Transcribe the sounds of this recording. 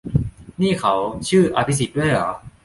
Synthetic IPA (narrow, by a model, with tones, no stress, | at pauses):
niː˥˩kʰa˧˦˥wt͡ɕʰɯː˥˩ʔa̰˧pʰi˦˥s̬i˨˩t̪̚du˥˩əjlɔ̰ː˩˦